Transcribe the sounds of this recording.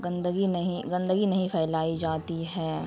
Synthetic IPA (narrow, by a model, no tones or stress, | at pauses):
ɡɐ̃nd̪əɡinɐɦĩɡɐ̃nd̪əɡinɐɦĩpʰɛːlaːid͡ʒaːt̪iɦɛː